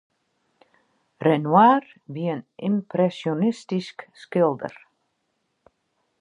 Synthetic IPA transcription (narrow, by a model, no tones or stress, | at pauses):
rɛnwaːr | biənʔɪmprɛsjonɪstiskskɪlˠdə̰r